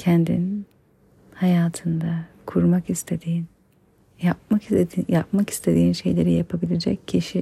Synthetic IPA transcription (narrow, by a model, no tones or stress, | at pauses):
cʰɛnd̪ḭn | hajaːt̪ʰɯnd̪a | kʰuɾmakist̪ʰe̞d̪iːn | jap̚makjapmaki̥st̪ʰe̞d̪iːnʃe̞̰jlʲe̞ɾijapʰabilʲed͡ʒɛ̰cʰːiʃi